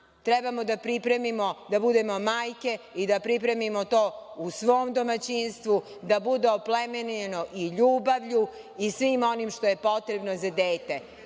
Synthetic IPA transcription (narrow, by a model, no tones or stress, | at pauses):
t̪ɾɛbamod̪apɾipɾemimod̪abud̪e̞mo̞maːjke̞ | id̪apɾip̬ɾe̞mimo̞t̪o̞ːusʋo̞ːmd̪o̞mat͡ɕinst̪ʋu | d̪abud̪eoplemeneno̞ʔiʎuːbaʋʎu | isʋiːmo̞nimʃt̪o̞je̞po̞t̪ɾebnozad̪eːt̪e